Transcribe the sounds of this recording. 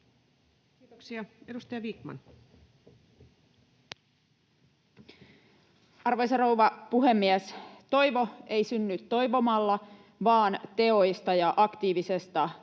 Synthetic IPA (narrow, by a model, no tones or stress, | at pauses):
kiːt̪oksiɑedust̪ɑjɑʋiːkmɑ̰n | ɑrʋo̞jserowʋɑpuɦe̞mːiæst̪o̞jʋo̞e̞jsynːyt̪ːo̞jʋo̞mɑlːɑ | ʋɑːnt̪e̞o̞jst̪ɑjɑʔɑkt̪iːʋisest̪ɑ